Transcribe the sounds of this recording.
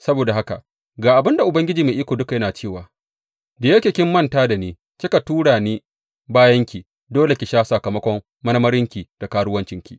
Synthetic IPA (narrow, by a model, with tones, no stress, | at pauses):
sɐ˦boː˨da˨ha˦ka̰˨ʔ | ɡaː˨ʔa˨bɪ˦nda˨ʔʊ˨bɐ˦ŋɡʲɪ˦d͡ʒiː˨meː˨ʔiː˦kʷoː˨dʊ˦ka˨jɐ˦naː˨t͡ʃeː˦˨waː˨ | de˨jɐ˦kʲe˨kʲɪ˦mːɐ˦ntaː˦da˨neː˦ | kʲi˦ka˨tuː˦ɽaː˨niː˦ | baː˦jɐ˦ŋkʲi˨ | doː˦le˨kʲi˨ʃaː˦sa˨kɐ˨mɐ˦kʷɔ˦m | mɐ˦nɐ˦mɐ˦ɾɪ˦ŋkʲi˨d̥a˨kaː˦ɽʊ˦wɐ˦nt͡ʃɪ˦ŋkʲḭ˦˨